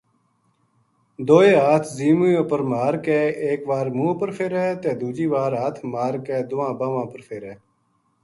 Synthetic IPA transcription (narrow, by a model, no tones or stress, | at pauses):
d̪oːeːɦaːt̪ʰziːmuːjõːpəɾmaːɾkeːeːkʋaːɾmũːpəɾfʰeːɾɛːt̪eːd̪uːd͡ʒiːʋaːɾaːt̪ʰmaːɾkeːd̪ʊʋãːbaːʋãːpəɾfʰeːɾɛː